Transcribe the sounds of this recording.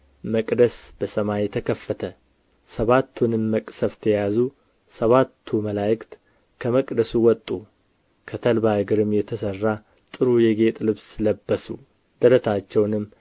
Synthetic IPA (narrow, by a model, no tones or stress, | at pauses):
məkʼd̪əsb̥əsəmajɛt̪ʰəkʰəfːət̪ʰə | səβat̪ʰːunɨmːəkʼsəft̪ʰjɛjazu | səβat̪ʰːuməlajɪkt̪ | kʰəməkʼd̪əsuwɔt̪ʼːu | kʰət̪ʰəlbaɨɡɨɾɨmːjɛt̪ʰəsərːa | t̪ʼɨɾujɛɡe̞t̪ʼlɨβsləbːəsu | d̪̥əɾət̪ʰat͡ʃːɛwnɨmː